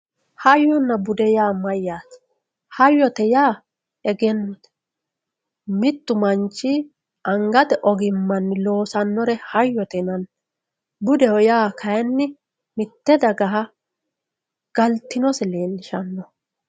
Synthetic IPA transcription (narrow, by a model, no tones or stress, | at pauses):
hɐjːɔnːɐbʊd̪ɛjaːmɐjːaːt̪ | hɐjːɔt̪ɛjaː | ɛɡɛnːɔt̪ɛ̥ | mɪt̪ːʊmɐnt͡ʃːi | ʔɐŋɡɐt̪ɛʔɔɡɪmːɐnːɪlo̞ːsɐnːɔɾɛhɐjːɔt̪ɛnɐn | bʊd̪ɛɔjaːkʰɐjɛnːɪ | mɪt̪ːɛd̪ɐɡɐɦɐ | ɡ̥ɐlt̪ːɪnɔsɛleːnːɪʃɐnːɔ